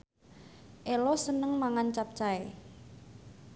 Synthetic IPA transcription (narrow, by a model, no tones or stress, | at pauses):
ʔelɔsənəŋmaŋant͡ʃap̚t͡ʃae